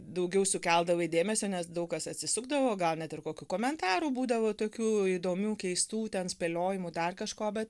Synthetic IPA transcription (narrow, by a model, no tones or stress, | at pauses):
d̪ɐʊɡʲɛʊsʊkʲɛlˠd̪ɐʋɐɪdʲeːmʲɛsʲoːnʲɛsd̪ɐʊkɐsɐt̪ʲsʲɪsʊɡd̪ɐʋoːɡɐlˠnʲɛt̪ɪrkoːkʲukoːmʲɛnt̪ɑːɾuːbuːd̪ɐʋoːt̪oːkʲuːid̪oːmʲuːkʲɛɪst̪uːt̪ʲɛnsʲpʲeːlʲoːjɪmʊd̪ɐrkɐʃkoːbʲɛt̪